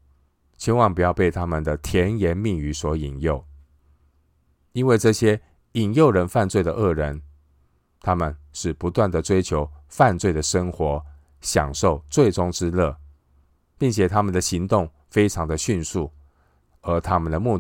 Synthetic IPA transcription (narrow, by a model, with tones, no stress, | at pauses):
t͡ɕʰɛ˥nwɑ˥˩˧ŋpu˨˩jɑ˥˧ʊpe˥˩ɪt̪ʰa˥mə˨nd̪ə˩t̪ʰjɛ˧˥njɛ˧˥nmi˥˩ŋy˧˥swɔ˧˥i˨˩ŋjo˥˩ʊ | i˥nwe˥˧ɪʈ͡ʂɤ˥˩ɕjɛ˥ | i˨˩njo˥˩ʊɻə˧˥nfa˥˧nt͡swe˥˩ɪd̪ə˩ʔɤ˥˩ɻə˧˦n | t̪ʰa˥mə˨nʂɻ̩˥˩pu˧˥t̪wa˥˩nd̪ə˩ʈ͡ʂwe˥ɪt͡ɕʰjo˧˥ʊfa˥˧nt͡swe˥˩ɪd̪ə˩ʂə˥ŋxwɔ˧˥˦ | ɕjɑ̰˨˩ŋʂo˥˩ʊt͡swe˥˩ɪʈ͡ʂʊ˥ŋʈ͡ʂɻ̩˥lɤ˥˩ | pi˥˩ŋt͡ɕʰjɛ˨˩t̪ʰa˥mə˨nd̪ə˩ɕi˧˥ŋt̪ʊ˥˩ŋ | fe˥ɪʈ͡ʂʰɑ˧˥ŋd̪ə˨ɕy˥˧nsu˥˩ | ə˞˧˥t̪ʰa˥mə˨nd̪ə˩mu˥˧